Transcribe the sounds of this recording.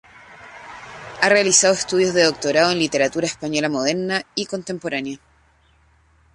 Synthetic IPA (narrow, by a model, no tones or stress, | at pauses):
are̞alisaðoe̞st̪uðjozðe̞ðo̞k̚t̪o̞ɾaðoenlit̪e̞ɾat̪uɾaespaɲolamo̞ðeɾnaikont̪e̞mpo̞ɾanja